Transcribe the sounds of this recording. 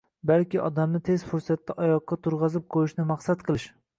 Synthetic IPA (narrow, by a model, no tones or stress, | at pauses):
balkʲiʔɒd̪amnɪt̪ʰez̥fʊɾsat̪ːɛʔɒjɒqːɑt̪ʰʊɾʁɑzɪp̚qʰoɪʃnɪmɑχsat̪̚qʰɨlˠɪʃ